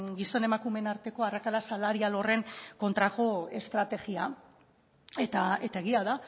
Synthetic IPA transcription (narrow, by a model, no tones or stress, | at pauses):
ɡiso̞ne̞makume̞naɾt̪e̞ko̞arakalasalaɾialo̞re̞ŋko̞nt̪ɾako̞e̞st̪ɾat̪e̞ɣia | e̞t̪ae̞t̪ae̞ɣ̞iaða